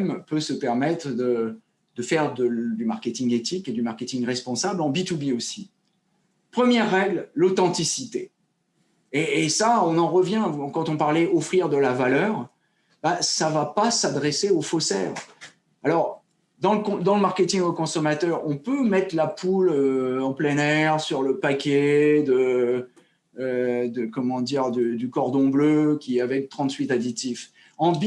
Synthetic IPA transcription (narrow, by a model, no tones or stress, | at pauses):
mpøsəpɛʁmɛt̪χd̪ə | d̪̥əfɛʁd̪əd̪yma̰ʁkʲet̪ĩŋɡet̪iked̪ymaʁkʲet̪ĩŋʁɛspɔ̃sablɑ̃bit̪ubiosi | pχəmjɛʁːɛɡllot̪ɑ̃t̪isit̪e | eːsaɔ̃nɑ̃ʁəvjɛ̃kɑ̃t̪ɔ̃paʁlɛʔɔfχiʁd̪əlavalœːʁ | basavapasad̪ʁeseofosɛ̰ʁ | alɔʁ | d̪ɑ̃ləkɔ̃d̪ɑ̃ləmaʁkʲet̪ĩŋokɔ̃sɔmat̪œʁɔ̃pømɛt̪χlapʰuløɑ̃plɛnɛʁsyʁləpakʲɛd̪ə | d̪əkɔmɑ̃d̪iʁd̪yd̪ykɔʁd̪ɔ̃bløkʲiɛavɛk̚t̪χɑ̃t̪ɥit̪ad̪it̪if | ɑ̃b